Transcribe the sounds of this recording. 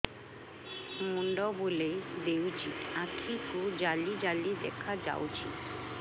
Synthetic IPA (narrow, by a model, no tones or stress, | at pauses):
muɳɖɔbolejd̪ewt͡ɕʰiʈakʰikud͡ʑalid͡ʑalid̪ɛkʰad͡ʑa̰wt͡ɕʰi